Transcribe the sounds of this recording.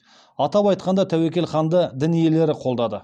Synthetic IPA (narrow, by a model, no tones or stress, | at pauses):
ɑt̪ɑpɑjt̪̚qɑnd̪ɑt̪ʰæwekʲe̞lχɑnd̪əd̪ɪnije̞le̞ɾɪqʰo̞lˠd̪ɑd̪ə